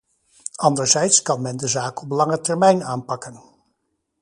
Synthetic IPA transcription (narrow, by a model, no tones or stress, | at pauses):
ɑndəɹzɛjtskɑnmɛndəzaːkɔplɑŋətɛɹmɛjnaːnpɑkən